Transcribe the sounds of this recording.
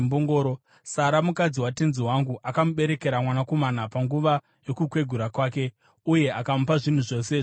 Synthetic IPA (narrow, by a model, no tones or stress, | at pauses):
mboŋɡoːɾo | saɾamukad͡ziwatenziɦwaŋɡuʔakamuɓe̞ɾe̞ke̞ɾamwanako̞manapaŋɡuʋa | jo̞kukwe̞ɡʱuɾakwaːke̞ | uje̞akamupaʐin̤uʐo̞se